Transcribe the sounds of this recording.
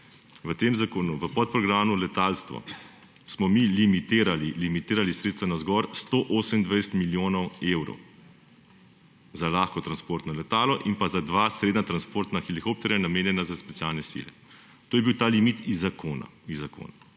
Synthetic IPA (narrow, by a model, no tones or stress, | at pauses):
ʋət̪eːmzakoːnuʋəpɔt̪̚pɾɔɡɾaːmulɛt̪aːlst̪ʋɔ̰ | smɔmilimit̪eːɾalilimit̪eːɾalisɾeːt̪st̪ʋanazɡɔɾst̪oʔoːsəmind̪ʋajsə̥t̪miljoːnɔweːwɾɔ̰w | zalaːxkɔt̪ɾanspoːɾt̪nɔlɛt̪aːlɔʔinpazad̪ʋasɾed̪nat̪ɾanspoːɾt̪naxilikop̚t̪ɛɾjanameːnjɛnazaspɛt̪sijaːlnɛsḭlɛ̰ | t̪oːjɛbiwt̪aːlimit̪izakona̰izːako̰ːna